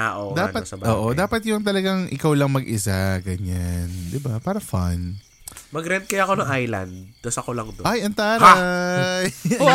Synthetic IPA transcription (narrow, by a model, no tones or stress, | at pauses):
aʔod̪aːpɐt̪ɐbʔoːʔod̪aːpɐt̪̚jʊŋt̪ɐlɐɡaŋʔɪ̰kawlɐŋmɐɡʔɪsaɡɐɲand̪ɪbapaːɾɐfan | mɐɡɾɛnd̪̚kɐjaːɐko̞nɐŋʔajlɐ̰nd̪̚ːɐsɐkolɐŋd̪oʔajʔɐnt̪aːɾaj